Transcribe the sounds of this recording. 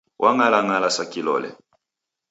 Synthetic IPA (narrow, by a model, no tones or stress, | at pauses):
wʔaŋalaŋalasakilɔ̰lɛ̰